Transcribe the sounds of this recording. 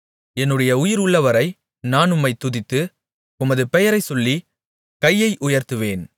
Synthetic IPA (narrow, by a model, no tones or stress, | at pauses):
ɛnːɯɽɐjɐʊjɪɾʊɭːɐʋɐɾɐɪ | naːnʊmːɐɪt̪ːʊðɪt̪ːɯ | ʊmɐðɯpɛjɐɾɐɪsɔlːi | kɐjːɐɪʔʊjɐɾt̪ɯʋeːn